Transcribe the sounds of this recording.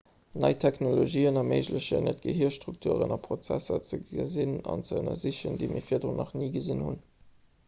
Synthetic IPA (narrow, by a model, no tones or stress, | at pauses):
nɑɪtʰæknoloʒiːənɑməɪʒləɕə̰nət̚ɡ̥əɦiɐʃtʁuk̚tʰuːʁənɑpʰʁot͡sæ̰sɐt͡səɡəzinɑ̰nt͡səənɐziɕəndiɪmʔḭːfiːɐdʁonʔɑχniːɡəzinhun